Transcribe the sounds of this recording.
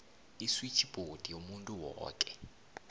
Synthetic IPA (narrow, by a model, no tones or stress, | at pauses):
iswit͡ʃʰib̥ʱod̥ʱijomuntʼuwɔ̰ːkʼɛ